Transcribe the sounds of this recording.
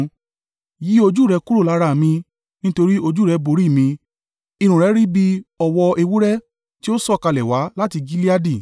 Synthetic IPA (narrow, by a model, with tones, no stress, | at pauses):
ji˦o˧d͡ʒu˦ɾɛ˧ku˦ɾo˦˨la˨˦ɾa˧˨mĩ˧ | nĩ˦to˧ɾi˦o˧d͡ʒu˦˨ɾɛ˧bo˨ɾi˦˨mĩ˧ | i˧ɾ̃ũ˨ɾɛ˨˦ɾi˦bi˧ɔ˨wɔ˧ʔe˧wu˦ɾɛ˦ | ti˦o˦sɔ˦˨ka˧lɛ˨wa˨˦la˦ti˧ɡi˦li˦a˦di˦˨